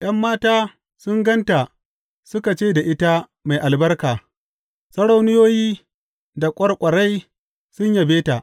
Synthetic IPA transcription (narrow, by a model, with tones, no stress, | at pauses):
j̰ɐ˦mːaː˦taː˦ | sʊ˦ŋɡɐ˦nta˨ | sʊ˦ka˨t͡ʃeː˦da˨ʔɪ˦ta˦ | ma˨jʔa˨lbɐ˦rkaː˨ | sɐ˦ɽa˦˨wnɪ˦joː˦jiː˦ | da˨kʷʼɐ˦rkʷʼɐ˨ɽa˦j | sʊ˦ɲja˨beː˦ta˨ʔ